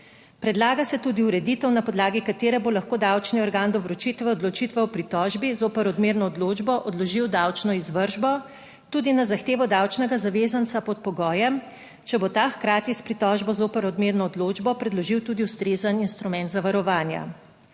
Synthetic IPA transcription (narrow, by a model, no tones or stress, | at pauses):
pɾɛd̪laːɡasɛt̪uːd̪iuɾɛd̪it̪ɛwnapɔd̪laːɡikat̪eːɾɛbolaxkoːd̪awt͡ʃniɔɾɡaːnd̪ɔʋɾɔt͡ʃit̪ʋɛɔd̪lɔt͡ʃit̪ʋɛɔpɾit̪ɔːʒbizoːpɛɾɔd̪meɾnɔːd̪loːd͡ʒbɔʔɔd̪lɔʒiwd̪awt͡ʃnɔizʋəɾʒbɔ | t̪uːd̪inazaxt̪eːʋɔd̪awt͡ʃnɛɡazaʋeːzant̪sapɔt̪̚pɔɡɔːjɛm | t͡ʃɛbot̪axkɾaːt̪ispɾit̪ɔʒbɔzoːpɛɾɔd̪meːɾnɔːd̪loːd͡ʒbɔpɾɛd̪lɔʒiwt̪uːd̪iuwst̪ɾezəninst̪ɾumɛnt̪zaʋaɾɔʋaːnja̰